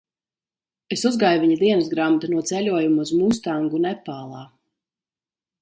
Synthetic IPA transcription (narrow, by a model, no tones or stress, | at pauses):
esuzɡaːjuviɲid̪iɛnusɡɾamt̪anuɔt̪sɛlʲuɔjumus̬muːst̪aŋɡunɛpːaːlˠɑː